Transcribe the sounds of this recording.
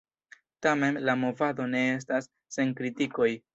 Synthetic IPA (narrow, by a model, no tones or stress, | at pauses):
tame̞mlamo̞vado̞ne̞e̞s̬tasː | e̞ŋkɾitiko̞j